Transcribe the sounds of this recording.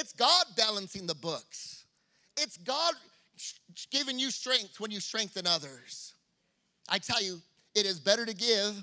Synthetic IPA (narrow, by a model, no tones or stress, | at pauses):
ɨtsɡ̥ɑd̚bælˠə̃nsɪ̃ŋðəbʊks | ɪtsɡ̥ɑd̚ | ɡ̥ɪvɪ̃ŋjɨstɹ̥ɛ̃ŋk̚θswə̃njɨstɹ̥ɛ̃ŋk̚θɨ̃nʌðə˞z̥ | ʔaɪtʰɛlˠjɨ | ɨɾɨzbɛɾə˞ɾɨɡɪv̥